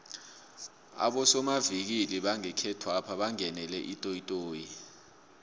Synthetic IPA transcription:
a̰ɓɔsɔmavik̬iliɓaŋɛkʰɛtʰwapʰaɓaŋɛnɛlɛʔitʼojitʼoːji

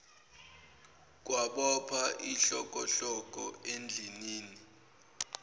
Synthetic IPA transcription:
k̬waɓɔpʰaʔiɬɔk̬ʼɔɬɔk̬ʼɔend͡ɮʱiniːni

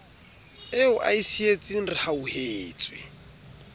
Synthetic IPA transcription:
ɪʊʔaisiet͡sʼinrihauheːt͡sʼwɪ̰

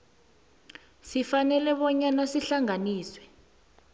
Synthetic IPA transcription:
sifanɛlɛɓɔɲanasiɬaŋaniːswɛ

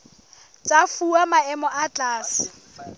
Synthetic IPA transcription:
t͡sʼafuamaɛmɔʔat͡ɬʼaːsɪ̥

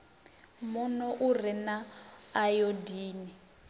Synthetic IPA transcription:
munɔʔurinaːjɔdiːni

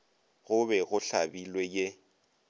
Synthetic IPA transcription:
ɣʊbɛɣʊɬabilwɛje

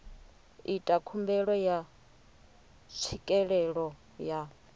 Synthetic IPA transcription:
itʼakʰumbɛɺɔja | t͡sʰikʼɛɺɛɺɔ | ja

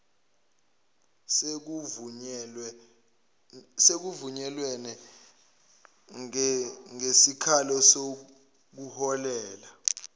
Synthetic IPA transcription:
sek̬uvuɲɛlwɛnɛ | ŋesikʰalɔso | k̬uhɔlɛːla

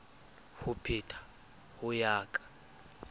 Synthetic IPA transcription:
hupʰitʰḁ | hujaːkʼḁ

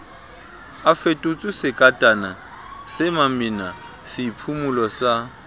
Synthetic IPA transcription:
afetʼʊt͡sʼʊsɪkʼatʼana | sɪmamina | sɪpʰumulɔsa

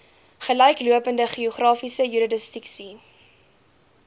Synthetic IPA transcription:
χəlɛjkluəpəndəχioχrɑːfisəjyɾɐdəstiksi

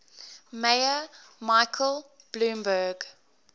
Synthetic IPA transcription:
meɪə | maɪkʰəlˠ | b̥lũːmbəːɡ

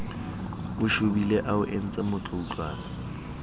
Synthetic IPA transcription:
ʊʃʊbileʔaʊʔen̩t͡sʼɛmʊt͡ɬʰʊut͡ɬʼwa̰ːn

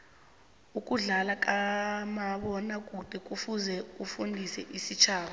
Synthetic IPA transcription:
uk̬ʼuɮalak̬ʼamaɓɔnak̬ʼuǃ̥ʱɛk̬ʼufuzɛufundʱisɛʔisit͡ʃʰaːɓa

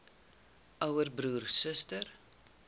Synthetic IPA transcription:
ʔœwərbɾuːrsəstər

